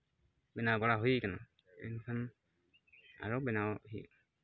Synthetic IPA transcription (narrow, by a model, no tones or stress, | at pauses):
bɛnawpɔɹaɦojkana̰ | ɛ̰nikʰan | a̰ɹɔbɛnawɦḭ